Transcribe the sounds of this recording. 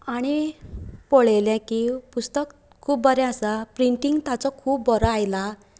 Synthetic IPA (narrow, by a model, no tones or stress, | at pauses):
aɽ̃i | pɔɭeljãkipust̪ək | kʰːuːp̚bəɾɛ̃asapɾiɳʈiŋɡt̪at͡sɔkʰuːpbɔɾɔajla